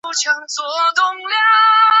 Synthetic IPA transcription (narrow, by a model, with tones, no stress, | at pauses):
t͡ɕʰɤ˧˥ŋt͡swɔ˧˥t̪ʊ˥˧ŋlja˥˩